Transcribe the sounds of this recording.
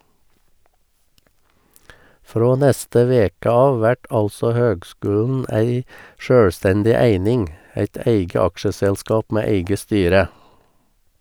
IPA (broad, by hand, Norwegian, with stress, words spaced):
ˈfɾoː ˈnɛstə ˈʋeːkə ˈɑːʋ ˈʋæʈ ˈɑlsɔ ˈhøːɡˌskʉːln̩ ˈæɪ ˈʃøːɽˌstɛndɪ ˈæɪnɪŋ ˈæɪt ˈæɪɡə ˈɑkʃəsɛlˌskɑːp ˈmeː ˈæɪɡə ˈstyːɾə